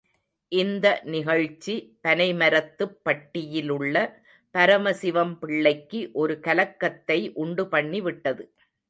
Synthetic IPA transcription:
ʔɪnd̪ɐnɪɣɐɻt͡ʃːipɐnɐɪmɐɾɐt̪ːɯpːɐʈːɪjɪlɯɭːɐ | pɐɾɐmɐsɪʋɐmpɪɭːɐɪkːɯʔɔɾɯkɐlɐkːɐt̪ːɐɪʔʊɳɖɯpɐɳːiʋɪʈːɐðɯ

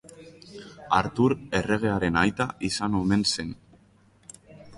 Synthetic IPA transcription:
a̰ɾt̪uɾe̞re̞ɣ̞e̞aɾe̞najt̪aʔisano̞me̞nse̞n

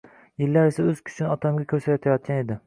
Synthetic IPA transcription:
jɪlːaɾesaɵz̥kʲʰʊ̥t͡ʃʰɪnɒt̪ʰamɡʲakʲʰɵɾsajɒt̪ʰajɒt̪̚kʲane̞d̪ɪ

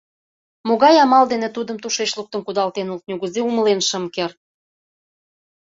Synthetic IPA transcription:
moɣɑjɑmɑld̪enet̪ud̪ə̆mt̪uʃet͡ɕluk̚t̪ənkud̪ɑlt̪enult̪̚nʲuɣəzeuməlenʃəmker̚

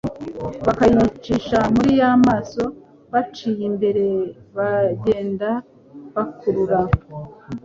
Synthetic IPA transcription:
βakajit͡ʃiːʃamuɾijamaːso̞ | βat͡ʃijimbe̞ɾe̞βaɟe̞ːnda | βakuɾuɾa

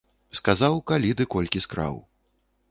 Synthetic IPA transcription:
skazawkalʲit̪ɨkɔlʲkʲiskɾa̰w

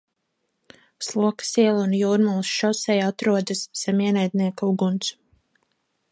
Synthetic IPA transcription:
slˠuɔkḁsiɛlˠunjuːɾmulˠsʃɔsɛjat̪ɾuɔd̪ɨsːɛmiɛnæjd̪ʲniɛkauɡunt̪s

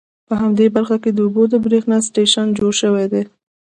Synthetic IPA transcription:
pəɦamd̪ebaɾxaked̪əubod̪əbɾexnasʈeʃand͡ʒoɽʃəwed̪e

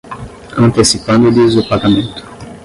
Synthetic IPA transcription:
ɐ̃nt̪esipɐ̃nd̪ʊlizʊpaɡamẽnt̪ʊ̥

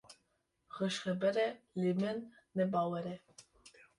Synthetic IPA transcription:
ɣəʃχɛbɛɾɛlimɛnː | ɛbɑwɛɾɛ

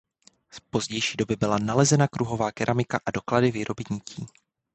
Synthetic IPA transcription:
spo̞zɟɛjʃiːdo̞bɪbɪlanalɛzɛnakɾuɦo̞vaːkɛɾʔamɪkaʔado̞kladɪviːɾʔo̞bɪɲɪciː

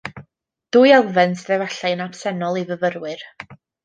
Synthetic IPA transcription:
d̥ujɛlˠvɛnsðɛvaɬajnapsɛnɔlˠivəvəɾwɨr

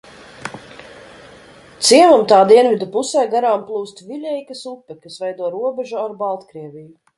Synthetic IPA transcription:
t̪siɛvumt̪aːd̪iɛnvʲid̪upusɛːɡaɾaːmplˠuːst̪vʲiʎʲɛjkɐsupːɛkasvɛjd̪uɔɾuɔbɛʒuaɾbalˠt̪kɾiɛvʲiju

